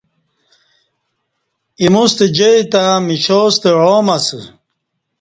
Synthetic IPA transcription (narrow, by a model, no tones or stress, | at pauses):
imust̪ed͡ʑeit̪amiɕoːst̪eɻoːmɐsɨ